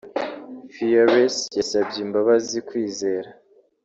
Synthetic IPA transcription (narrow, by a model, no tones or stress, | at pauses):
fijaɾesjasabɟeimbaβazikwiːze̞ːɾa